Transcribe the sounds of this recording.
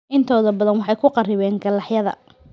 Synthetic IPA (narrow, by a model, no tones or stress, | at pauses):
ʔɪnt̪ʰɔːðɐbɐðɐnwɑħɑjkʰʊqɑrɪβɛːŋɡɐlɑħjɐðɐ̰